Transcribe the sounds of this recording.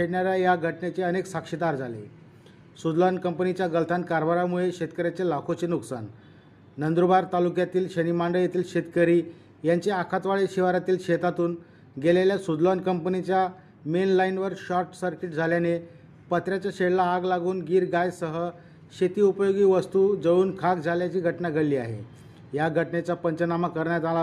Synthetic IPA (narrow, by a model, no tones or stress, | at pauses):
eɽɳjaɾjajaɡʱəʈnet͡seəneksakʂid̪aɾd͡zʱalḛ | sud̪lɔnkəmpnit͡ɕjaɡəlt̪ʰankaɾʋaɾamuɭeɕet̪kəɾjat͡selakʰot͡senuksa̰nː | ənd̪ɾubaɾt̪alukjat̪iːlɕənimaɳɖəɭjet̪ʰiːlɕet̪kəɾiː | jaɲt͡ɕeakʰat̪ʋaɭeɕiʋaɾat̪iːlɕet̪at̪uːn | ɡeleljasud̪lɔnkəmpənit͡ɕja | menlainʋəɾɕɔɾʈsəɾkiʈ̚d͡zʱaljane | pət̪ɾjat͡ɕaɕeɽlaːɡlaɡuːnɡiːɾɡajsəɦə | ɕet̪iːupəjoɡiːʋəst̪ud͡zəuːnkʰakd͡zʱaljat͡ɕiːɡʱəʈnaɡʱəɭliːaɦḛ | jaɡʱəʈɳet͡ɕapəɲt͡ɕənamakəɾɳjat̪ala